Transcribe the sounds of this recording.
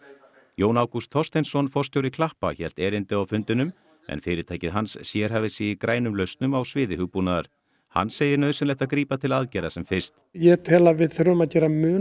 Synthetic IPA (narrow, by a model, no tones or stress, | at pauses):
joːwnaːwkust̪ʰɔrst̪ejnsɔnfɔrst̪jowɾɪkʰlahpa̰çɛl̥t̪ɛːɾɪnt̪ɪawfʏnt̪ɪnʏm | ɛ̰nfɪːɾɪt̪ʰaːjcɪðɦansːjɛɾ̥ɦaːvɪsɪɪkɾaːjnʏmlœɥst̪nʏmawsvɪːðɪhʏɣpunaðaɾ̥ | ha̰nːseːjɪɾnœːðsɪnlɛht̪aðkɾiːpat̪ʰɪlaðcɛjɾasɛmfɪ̥st̪jɛt̪ʰɛːlavɪðθʏɾʏmaðcɛːɾamʏː